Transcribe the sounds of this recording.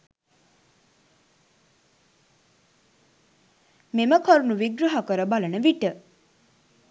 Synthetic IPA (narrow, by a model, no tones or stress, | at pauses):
meməkʰoɾunuʋiɡɾɐɦɐkəɾəbɐlənəʋiʈə